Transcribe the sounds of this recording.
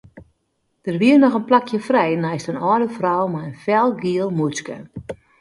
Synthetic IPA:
d̥ərʋiərnɔxənplakʰjəfrɛjnɛjstənɔːdəfrɔwmajənfɛlˠɡiəlˠmut͡skə̰

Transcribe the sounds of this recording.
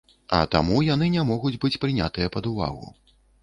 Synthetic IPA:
ɐ̰t̪a̰mujan̪ɨnʲamɔɣud͡zʲbɨt͡sʲpɾɨnʲa̰t̪ɨjɐpɐd̪uva̰ɣṵ

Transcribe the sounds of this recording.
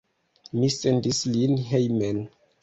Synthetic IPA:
misendislinɦejmen

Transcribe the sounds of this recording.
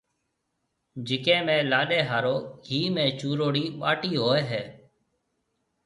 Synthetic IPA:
d͡ʒɪkẽːmẽːlaːɗeːɦaːɾoːɡiːmẽːt͡ʃuːɾoːɽiːɓaːʈiːɦoːeːɦɛː

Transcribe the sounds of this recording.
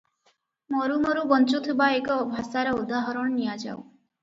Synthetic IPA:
mɔɾumɔɾubɔnt͡ʃut̪ʰibaekɔːbʱasaɾɔud̪aɦɔɾɔɳɔnijad͡ʒa̰w

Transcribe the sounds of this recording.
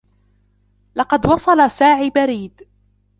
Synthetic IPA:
lɑqɑd̪wɑsˤɑlasaːʕiːbaɾiːd̪

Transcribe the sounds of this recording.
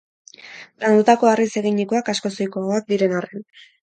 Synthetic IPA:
ɾand̪ut̪ako̞arise̞ɣiɲikoakasko̞so̞jkooak̚d̪iɾe̞naren

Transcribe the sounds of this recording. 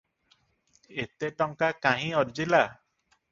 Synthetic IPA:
et̪eʈɔŋkakaɦĩɔɾd͡ʒila

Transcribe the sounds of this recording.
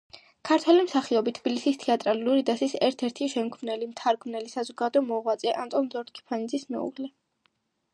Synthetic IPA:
kʰaɾt̪ʰwɛlimsaχiɔbit̪ʰbilisist̪ʰiat̪ʼɾaluɾid̪asisɛɾt̪ʰɛɾt̪ʰiʃɛmkʰmnɛlimt̪ʰaɾɡmnɛlisazɔɡad̪ɔɔmɔʁwat̪sʼɛʔamt̪ʼɔnzɔɾt̪̚kʰi̥pʰanid̪zismɛ̰ṵʁlɛ

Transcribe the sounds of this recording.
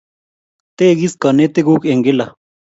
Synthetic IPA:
t̪eɡiskɑnet̪eɡukeŋɡela

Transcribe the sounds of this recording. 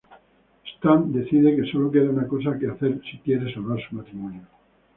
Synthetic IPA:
st̪and̪e̞θiðeke̞so̞lo̞k̬eɾaunako̞s̬akeaθe̞ɾsikje̞ɾe̞salβaɾsumat̪ɾimõnjo

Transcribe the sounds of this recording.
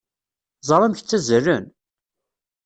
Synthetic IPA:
zˤɾˤamçt͡sːæzərːən

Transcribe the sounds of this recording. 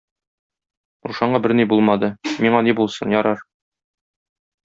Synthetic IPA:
ɾuʃɑɴɑbɘɾnibulˠmɑd̪ɤmiɴɑnibulˠsɤnjɒɾɑɾ

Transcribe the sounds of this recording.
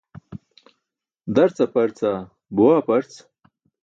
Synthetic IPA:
d̪ɐɾt͡sapɐɾt͡sa | buwaːpɐɾt͡s

